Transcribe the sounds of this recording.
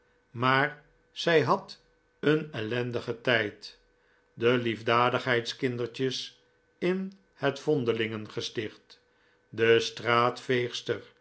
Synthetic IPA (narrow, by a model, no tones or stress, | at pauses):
maːɹ | z̥ɛjɦɑt | ənɛlɛndəχətɛjt | dəlivdaːdəχɦɛjtskɪndəɹt͡ʃəs | ɪn | hətfɔndəlɪŋənχəstɪχt | dəstraːtfejχstəɹ